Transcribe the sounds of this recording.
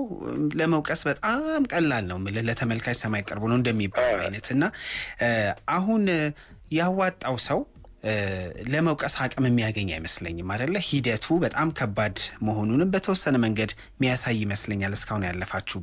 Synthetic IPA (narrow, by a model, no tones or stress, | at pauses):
ləməwkʼəsbət̪ʼamkʼəlːalnəwmlələt̪ʰəməlkʰajsəmːajakʼːəɾbonəwɨnd̪əmːibːaluwa̰jnət̪ɨnːa | ʔaɦun | jawːat̪ʼːawsəw | ləməwkʼəshakʼəmɨmːijaɡəɲːa̰jməsləɲːɪmːad̪əlːəhid̪ət̪ʰubət̪ʼamkʰəbːad̪məho̞nunɨmbət̪ʰəwɔsːənəməŋɡəd̪ | mːijasajːɪməsləɲːalɨskʰahunjalːəfat͡ʃːu